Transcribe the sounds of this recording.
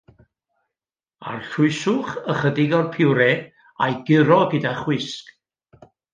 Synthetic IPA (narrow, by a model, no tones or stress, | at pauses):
a̰rɬʊɨsʊχəχədɪɡɔrpʰɪwɾɛ | ajɡɪɾɔɡədaχwɪsk